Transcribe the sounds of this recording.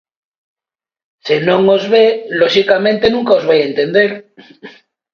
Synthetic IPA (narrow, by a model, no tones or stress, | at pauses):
senõŋozβeloʃikamẽnt̪enũŋkaozβejent̪end̪eɾ